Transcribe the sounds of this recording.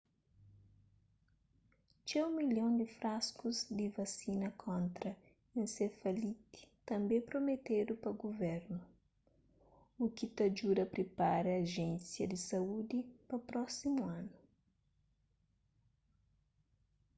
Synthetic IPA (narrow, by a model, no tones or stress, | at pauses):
t͡ʃɛũmiljõnd̪ɪfɾaskuzd̪ɪvɐsinɐkʰõnt̪ɾɐ | ẽnsefɐlit̪i̥t̪ɐ̃mbẽpɾomet̪ed̪ʊpɐɡovɛɾnʊ | ukit̪ɐd͡ʒuɾɐpɾepaɾɐːʒẽnsjɐd̪ɪsɐud̪ipɐpɾɔsimuãnʊ